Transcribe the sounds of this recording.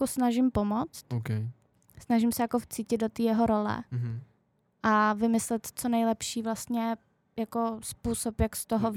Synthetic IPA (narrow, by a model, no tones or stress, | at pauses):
usnaʒɪmpo̞mot͡st̪ok | snaʒɪmsɛjakoft͡siːcɪd̪dot̪iːjɛɦoɾo̞lɛ̰ | ʔavɪmɪslɛt̪t͡sonɛjlɛpʃiːvlast̪ɲɛ | jakospuːsopjakst̪oɦo